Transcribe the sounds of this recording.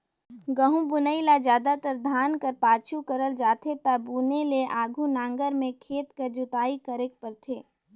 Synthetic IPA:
ɡəɦũbʊnəilad͡ʒjaːd̪at̪əɾd̪ʱaːnkɐɾpaːt͡ʃʰukəɾəld͡ʒaːt̪ʰet̪abuːneleʔaːɡʱunãːŋɡəɾmẽkʰeːt̪kəɾd͡ʒʊt̪aːikəɾek̚pəɾt̪ʰeː

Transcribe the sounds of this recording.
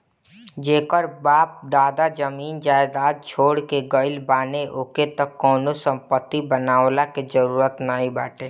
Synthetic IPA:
d͡ʒeːkəɾbaːp̚d̪aːd̪ad͡ʒəmiːnd͡ʒaːɪd̪aːd̪̚t͡ʃʰoːɽkeɡəɪlbaːneʔoːket̪əkːɔːnosə̃mpət̪ːibənaːwlaked͡ʒəɾuːɾət̪naːɦĩbaːʈeː

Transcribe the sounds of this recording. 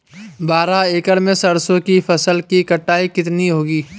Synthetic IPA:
baːɾaeːkəɾmẽsɐɾsõkipʰɐsəlkikɐʈːaːikɪt̪niɦoːɡiː

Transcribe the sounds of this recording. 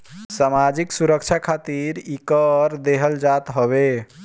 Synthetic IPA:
samad͡ʒiksuɾəkt͡ʃʰakʰat̪iɾikəɾd̪eɦəld͡ʒat̪ɦɔβe

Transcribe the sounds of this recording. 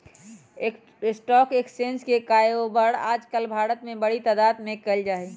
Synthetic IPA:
sʈɔːkeːksẽnskekajobəɽa̰ːd͡ʒkəlbʱaːɾət̪mẽbəɽit̪əd̪aːt̪mẽkəld͡ʒaːɛ

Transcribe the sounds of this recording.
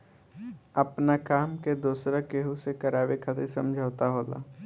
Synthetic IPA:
ɐpnakaːmked̪uːsɾakeɦusekɐɾaːwekʰat̪ʰesɐ̃md͡ʒʱaːt̪aɦoːla̰ː

